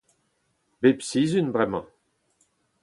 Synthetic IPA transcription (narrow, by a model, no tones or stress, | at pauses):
bepsizynbʁɛmɑ̃